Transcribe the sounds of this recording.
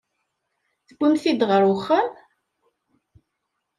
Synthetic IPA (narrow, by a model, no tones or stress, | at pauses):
θəɡʷːəmθid̪ʁəɾʊχːəm